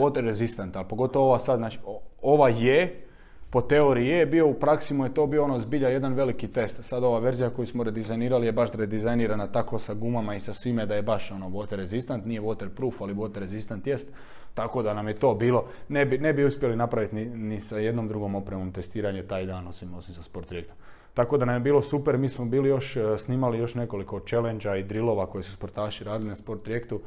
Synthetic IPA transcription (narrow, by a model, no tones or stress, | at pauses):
ot̪eɾezist̪ent̪alpo̞ɡo̞t̪oʋooʋasad̪znaːt͡ʃiooʋaje | po̞t̪e̞oɾijebio̞upɾaksimojet̪o̞ːbioonozbiʎaje̞d̪anʋe̞likit̪e̞st̪sad̪o̞ʋaːʋe̞ɾzijako̞jusmoɾed̪izajniːɾalije̞baʃd̪ɾed̪izajniːɾanat̪akosaɡumamaisasʋimed̪ajebaʃo̞noʋo̞t̪eɾezist̪ant̪nije̞ʋot̪eɾpɾuːfaliʋo̞t̪eɾezist̪ent̪je̞st̪ː | ako̞d̪anamjet̪o̞ːbiːlˠo̞nebine̞biuspʲje̞linapɾaʋit̪ninisaje̞d̪no̞md̪ɾuɡo̞mo̞pɾemo̞mt̪e̞st̪iːɾaɲut̪aːjd̪aːno̞simo̞simsaspoɾt̪ːɾijek̚t̪om | t̪ako̞d̪anamjebiːlˠo̞supeɾmiːsmobiːlijo̞ʃsniːmalijo̞ʃne̞ko̞likot͡ʃe̞lend͡ʒaid̪ɾilˠo̞ʋakojesuspo̞ɾt̪aːʃiɾaːd̪ilinaspo̞ɾt̪ːɾjekt̪u